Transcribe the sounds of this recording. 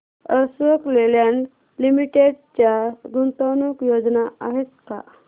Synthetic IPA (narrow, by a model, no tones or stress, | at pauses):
əsʋəkleljaɳ | limiʈeɖt͡ɕjaɡunt̪anukjod͡znaaɦet̪ka̰